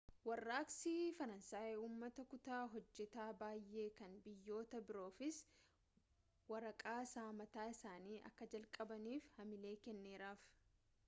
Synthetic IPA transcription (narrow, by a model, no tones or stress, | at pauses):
wɐrːaːksiːfɐɾɐnsaːjuːmːɐt̪ɐkʊt̪aːɦɔd͡ʒːɛt̪aːbaːjʔːe̞ːkɐnbɪjːo̞ːt̪ɐbɪɾo̞ːfɪs | wɐɾɐkʼaːsaːmɐt̪aːɪsaːniːʔɐ̰kːɐd͡ʒɐlkʼɐbɐniːfhɐmɪle̞ːkɛnːe̞ːɾaːf